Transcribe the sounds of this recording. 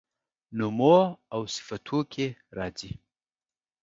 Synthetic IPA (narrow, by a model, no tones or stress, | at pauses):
numoawsɪ̥fat̪ʰukʰʲeɾɑːzi